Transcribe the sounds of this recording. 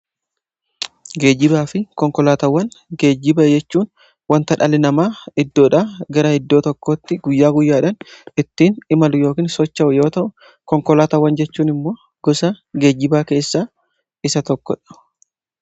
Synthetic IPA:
ɡe̞ːd͡ʒɪbaːfɪkɔŋkɔlaːt̪ɐwːɐnɡe̞ːd͡ʒːɪbɐd͡ʒɛt͡ʃːuːn | wɐnt̪ɐᶑɐlɪnɐmaːɪd̪ːo̞ːᶑaːɡɐɾɐhɛd̪ːo̞ːt̪ɔkːoːt̪ːɪɡʊjːaːɡʊjːaːᶑɐnɪt̪ːiːnɪmɐlʊjo̞ːkiːnsɔt͡ʃːɐʔʊjo̞ːt̪ɐʔʊ | kɔŋkɔlaːt̪ɐwːɐnd͡ʒɛt͡ʃːuːnɪmːo̞ː | ɡ̥ɔsɐɡe̞ːd͡ʒːɪbaːke̞ːsːaː | ɪsɐt̪ɔkːɔ̰ᶑɐ̥

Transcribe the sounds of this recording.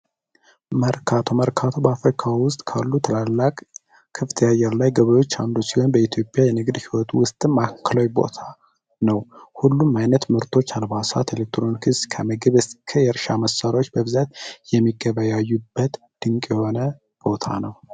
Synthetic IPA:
məɾkʰat̪ʰoməɾkʰat̪ʰo̞bəafɾikʰawʊst̪ʼkʰa̰lːut̪ʰəlalːakʼ | kʰːɨft̪ʰəjajɛɾlajɡəβəjo̞t͡ʃːand̪osiho̞nbəit̪ʰjo̞pʼːjajɛnɨɡd̪hiwɔt̪ʰwʊst̪ʼɨmakʰːəlawjbo̞̰t̪ʰa | nəwhulːumːajnət̪mɨɾt̪ʰo̞t͡ʃːalβasat̪ʰelek̚t̪ɾo̞nkʰɨskʰəməɡɨβɨskʰəjɛɾʃaməsːaɾo̞t͡ʃːbəβɨzat̪jɛmːiɡːəβajajːubːət̪ | d̪̥ɨŋkʼjɛho̞nə | b̥o̞t̪ʰa̰nəw

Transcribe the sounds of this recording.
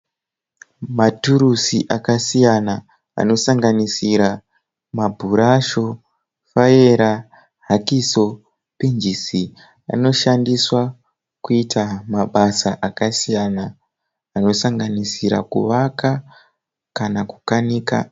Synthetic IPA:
matuɾusiʔakasijana | a̰no̞saŋɡanisiɾa | mabʱuɾaʃo̞ | fajeɾa | ɦakiso̞ | pind͡ʒisi | a̰no̞ʃandiswa | kuitʰamaɓasaʔakasijanaː | no̞saŋɡanisiɾa̰kṵʋaka | kanaku̥kaniːka̰

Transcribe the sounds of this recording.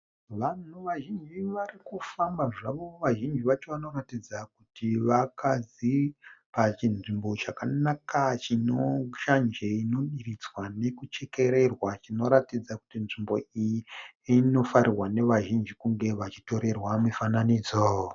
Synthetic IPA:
ʋan̤uʋaʒind͡ʒiʋarikufambaʐaʋo̞ʋaʒind͡ʒiʋat͡ʃoʋano̞ratid͡zakutʰiʋakʰazipat͡ʃinʐimbo̞t͡ʃakanakat͡ʃino̞ʃand͡ʒeino̞ɗirit͡swane̞kut͡ʃe̞ke̞ɾe̞rwat͡ʃino̞ɾatid͡zaku̥tinʐimbo̞ijiino̞faɾirwane̞ʋaʒind͡ʒikuŋɡe̞ʋat͡ʃi̥to̞ɾe̞rwamifananiːd͡zo

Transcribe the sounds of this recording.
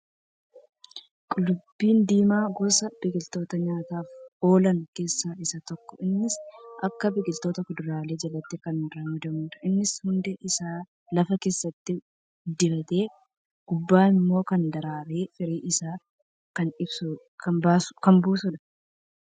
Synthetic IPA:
kʼʊlʊbːiːnd̪iːmaːɡɔsɐbɪɡɪlt̪o̞ːt̪ɐɲaːt̪aːfo̞ːlɐnke̞ːsːaːʔɪsɐt̪ɔkːɔɪnːɪsʔɐkːɐbɪɡɪlt̪o̞ːt̪ɐkʊd̪ʊɾaːle̞ːd͡ʒɐlɐt̪ːɪkɐnɾɐmʊd̪ɐmuːᶑ̪ɐ̥ʔɪnːɪshʊnd̪ɛʔɪsaː | lɐfɐke̞ːsːɐt̪ːɪ | d̪ɪbɐt̪e̞ː | ɡ̥ʊbːaːnɪmːo̞ːkɐnd̪ɐɾaːɾeːfɪɾiːʔɪsaː | kɐnɪbsu | kɐbaːskɐnbuːsʊᶑɐ̥

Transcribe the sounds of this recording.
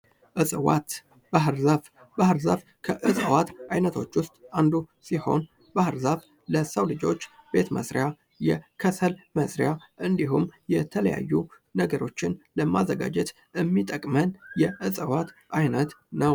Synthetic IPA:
ʔɨsʼəwa̰t̪ | baɦɨɾzaf | bahɨɾzaf | kʰəʔɨsʼəwat̪ajnət̪ʰo̞t͡ʃːwʊst̪ʼand̪usiho̞n | bahɨɾzaf | ləsəwlɨd͡ʒo̞t͡ʃːb̥e̞t̪mə̰sɾja | jɛkʰəsəlməsɾjaʔɨnd̪iɦumːjɛt̪ʰələja̰jːu | nəɡəɾo̞t͡ʃːɪnləmːazːəɡa̰d͡ʒɛt̪ | ʔɨmːit̪ʼəkʼmənjɛʔɨsʼəwat̪ʔajnət̪nəw

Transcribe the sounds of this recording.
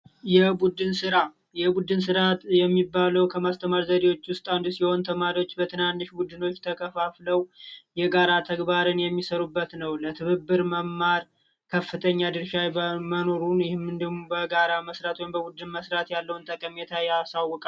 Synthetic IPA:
jɛbud̪ɨnsɨɾa | jɛbud̪ɨnsɨɾat̪jɛmːibːaləwkʰəmast̪ʰəmaɾzəd̪ewo̞t͡ʃːwʊst̪ʼand̪usiho̞nt̪ʰəmaɾiwo̞t͡ʃːbət̪ʰɨnanːɨʃbud̪ɨno̞t͡ʃːt̪ʰəkʰəfafləwjɛɡaɾat̪ʰəɡbaɾɨnjɛmːisəɾubːət̪nəwlət̪ʰɨβɨbːɨɾməmːaɾ | kʰəfːɨt̪ʰəɲːad̪ɨɾʃajməno̞ɾunjɪhɪmːɨnd̪əɡmobəɡaɾaməsɾat̪wjmbəbud̪ːɨnməsɾat̪jalːəwnt̪ʼəkʼəmɛt̪ʰajasawːɔkʼa

